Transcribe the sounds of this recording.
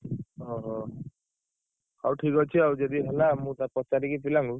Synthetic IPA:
ɔɦɔ | awʈʰikɦɔjt͡ʃʰiawd͡ʒɔd̪iɦɛlamũt̪aɾpɔsadikipilaŋɡu

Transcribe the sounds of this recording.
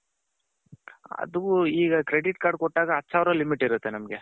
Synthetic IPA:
ɐ̰d̪uuiːɡɐkɾeɖiʈkaːɾɖ̚kɔʈːaːɡɐɐtːsaːʋɾɐlimiʈːiɾut̪ːe̞nɐmɡe

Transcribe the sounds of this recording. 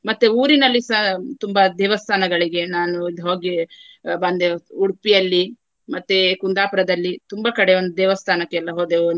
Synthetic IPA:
mɐt̪ːeuːɾinɐlːisɐt̪umbɐd̪ɛːʋɐst̪ʰaːnɐɡɐɭiɡe̞naːnuid̪ɦo̞ːɡi | bɐnd̪euɽpijɐlːi | mɐt̪ːekund̪aːpɐɾɐd̪ɐlːit̪umbɐkɐɽeond̪ud̪ɛːʋɐst̪ʰaːnɐkːɛːlːɐɦoːd̪eu

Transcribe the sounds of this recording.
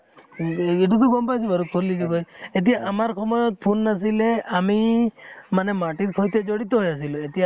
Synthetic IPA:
iʈut̪uɡɔmpajsibɔɾuk̚t̪ʰoliʈubɔjet̪̬ijaʔamaɾkʰɔmɔjɔt̪̚pʰunːas̬ileami | manemaʈit̪kʰɔjt̪ed͡ʒɔɽit̪ɔɦɔjasiloet̪ia

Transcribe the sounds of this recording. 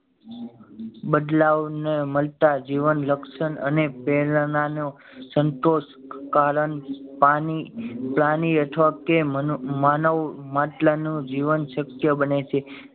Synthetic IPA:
bəd̪laʋneməlt̪ad͡ʒiʋənləkʃənə̰nepelnano | sənt̪oʃkalənpaniplaniət̪ʰʋakemanəʋmaʈlanũd͡ʒiʋənʃəkjəbənet͡ʃʰe

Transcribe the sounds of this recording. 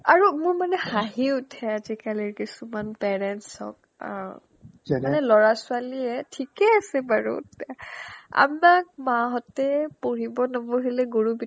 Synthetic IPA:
aɹumʊɹmanɛxaɦiutʰɛazikaliɹkisumanpɛɹɛntsɔ̰k̚ | manɛlɔɹasualiɛtʰikɛasɛbaɹṵtɛa̰mak̚maɦɔtɛpoɹibɔnabɔɦilɛɡoɹubi

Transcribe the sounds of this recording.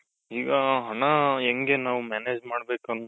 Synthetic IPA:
iːɡɐɦɐɳɐeŋɡenaːʋumaːneːd͡ʒmaːɽbe̞ːkuɐn

